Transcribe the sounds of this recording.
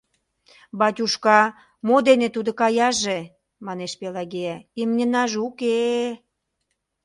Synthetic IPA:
bɑtʲuʃkɑ | mod̪enet̪ud̪ŏkɑjɑʒe | mɑneʃpelɑɡejæimnʲənɑʒuke

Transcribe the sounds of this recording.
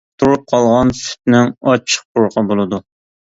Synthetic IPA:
t̪ʰuɾup̚qʰɑlˠʁɑnsy̥t̪̚nɪŋɑt͡ʃʰːə̥q̚buɾqʰɑbolˠɨd̪u

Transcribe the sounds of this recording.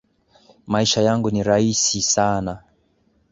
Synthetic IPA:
maiʃajaŋɡuniɾaisisana

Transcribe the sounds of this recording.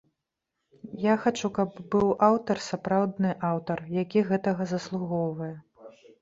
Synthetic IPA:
jaxat͡ʂukɐbbɨwʔawt̪ɐrsapɾawd̪nɨʔawt̪ɐrjakʲiɣɛt̪ɐɣɐzɐslˠuɣɔwvɐjɛ

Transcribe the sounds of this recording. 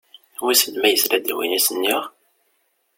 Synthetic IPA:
wisənmæjəslæd̪ḭwḭnæsənːiʁ

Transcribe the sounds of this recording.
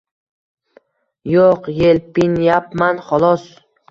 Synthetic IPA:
joqjelpinjapmanχɒlˠɒs

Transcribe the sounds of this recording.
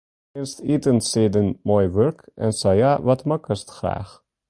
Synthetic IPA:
ɪnstitənseːdənmoːjʋœɹkɛ̰nsajaːʋɑtmɑkəstχra̰ːχ

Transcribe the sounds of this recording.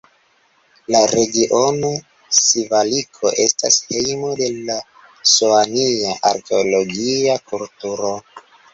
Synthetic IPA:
laɾe̞ɡiʔo̞no | sivalikʰo̞ʔe̞stashe̞jmo̞de̞la | soaniaʔaɾke̞olo̞ɡiakultuɾo̞

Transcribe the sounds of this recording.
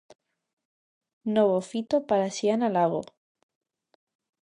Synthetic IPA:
noβofit̪opaɾasjanalaɣo̰

